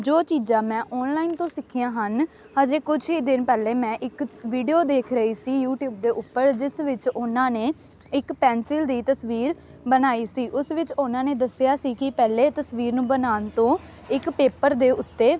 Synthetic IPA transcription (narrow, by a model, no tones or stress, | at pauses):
d͡ʒoːt͡ʃiːd͡ʒãːmɛ̃ːʔɔːnlaːint̪õːsɪkʰɪjãːɦən | ad͡ʒeːkʊt͡ʃʰɦiːd̪ɪnpɛːleːmɛ̃ːʔɪkʋiːɖijoːd̪eːkʰɾəɦiːsiːjuːʈjuːb̚d̪eːʔʊpːəɾd͡ʒɪsʋɪt͡ʃʊnãːneː | ɪkpɛːnsɪld̪iːt̪əsʋiːɾ | bənaːiːsiːʔʊsʋɪt͡ʃʊnãːneːd̪əsːjaːsiːkɪpɛːleːt̪əsʋiːɾnũːbənaːnt̪õː | ɪkpeːpəɾd̪eːʊt̪ːeː